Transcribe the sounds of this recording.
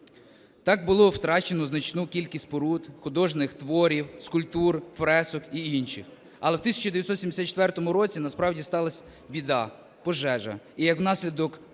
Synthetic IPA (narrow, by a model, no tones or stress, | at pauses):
t̪ɑɡbʊlˠɔwt̪ɾɑt͡ʃenɔznɐt͡ʃnukʲilʲkʲisʲtʲpɔɾut̪xʊd̪ɔʒnɪxt̪ʋɔɾʲiwskʊlʲpt̪urfɾɛsɔkiinʃɪx | ɐlˠɛwt̪isʲɐ̥t͡ʃʊd̪eʋjɐt̪sɔt̪sʲimd̪esʲat̪t͡ʃːe̥t̪ʋɛrt̪ɔmʊɾɔt͡sʲinɐspɾɑwdʲist̪ɑlˠɐsʲ | bʲid̪ɑ | pɔʒɛʒɐ̰ijɐkwnɑsʲlʲid̪ɔk